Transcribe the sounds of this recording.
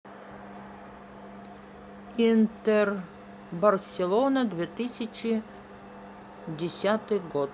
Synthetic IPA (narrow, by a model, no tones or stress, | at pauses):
int̪er | bɐrsʲelˠonɐd̪vʲet̪ɨsʲɪt͡ʃɪ | dʲɪsʲat̪ɨɡot̪